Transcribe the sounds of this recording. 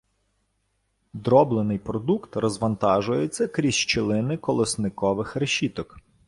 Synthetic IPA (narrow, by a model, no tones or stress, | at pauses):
d̪ɾɔblˠenɪjpɾɔd̪ukt̪rɔzʋɐnt̪ɑʒʊjet͡sʲːɐkɾʲiʃt͡ʃɪlˠɪnɪkɔlˠɪsnɪkɔʋɪxɾeʃʲit̪ɔk